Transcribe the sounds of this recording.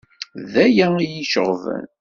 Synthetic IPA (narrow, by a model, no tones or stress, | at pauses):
ðæjæijiʃəʁəv̰n